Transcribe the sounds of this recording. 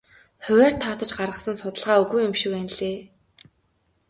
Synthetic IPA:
χɵwʲæːr̥t̪ʰɔːt̪ə̆t͡ɕɢaɾʁə̆sə̆nsʊt̪ə̆ɮʁaːɵɣujʊmʃĭwænɮeː

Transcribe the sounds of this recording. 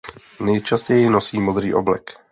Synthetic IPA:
nɛjt͡ʃascɛjɪnosiːmod̪ɾiːʔo̰blɛ̰k

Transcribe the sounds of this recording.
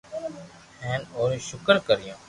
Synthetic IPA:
hɛ̃ːnoːɾʃʊkəɾkəɾɪjõː

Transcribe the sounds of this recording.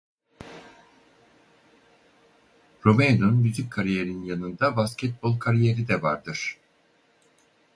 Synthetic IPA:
ɾomend̪onmyzyc̚ʲkʰːaɾije̞ɾinjanɯnd̪abascʰɛt̪̚bo̞lˠkʰaɾijeɾid̪ɛva̰ɾd̪ɯɾ̥

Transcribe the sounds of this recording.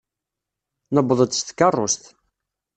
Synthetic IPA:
nəbðˤəd̪st̪kːɑrˤːʊst̪

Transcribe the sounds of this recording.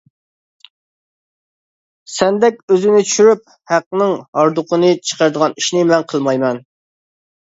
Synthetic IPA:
sɛnd̪ɛkʲøzɪnɪt͡ʃʰy̥ʃyɾyp̚ | hæqːnɨŋhɑɾd̪ʊqʰənɨt͡ʃʰə̥qʰəɾd̪əʁɑniʃnɪmɛnqʰəlˠmɑjmɛn

